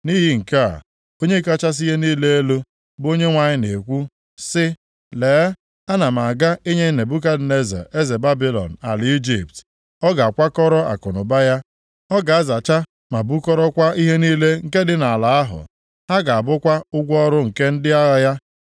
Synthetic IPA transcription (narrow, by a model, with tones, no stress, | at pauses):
ni˦ɦi˨ŋ̩˨ka˦a̰˨ | o˦ɲe˦˨ka˦˨t͡ʃa˦s̬i˦je˦niː˦le˦e˦lo˦ | bo˦ɲe˦ŋʷa˨ɲɪ˦ne˨kʷu˦ | sɪ˦ | leː˨˦ | a˦na˨ma˨a˨ɡa˦e˦ɲe˦˨ne˨bu˦k̬a˦dne˦za̰˨e˦ze˨ba˦bi˦lɔ̰˨n̩˨a̰˨lɪ˨i˦d͡ʒi˨p̚t | ɔ˦ɡa˨a˨kʷa˦kɔ˦ɾɔ˦a̰˨kɔ˨nʊ˨ba˦ja˦ | ɔ˦ɡa˨a˦za˨t͡ʃa˦ | ma˨bu˦kɔ˦ɾɔ˦kʷa˦i˦ɦe˦niː˦le˦ŋ̩˨ke˦dɪ˦na˨a˨la˨a˦ɦʊ̰˨ | ɦa˦ɡa˨a˨bʊ˦kʷa˦ʊ˦ɡʷɔ˦ɾʊ˦ŋ̩˨ke˦n̩˦dɪ˦a˦ɣa˦ja˦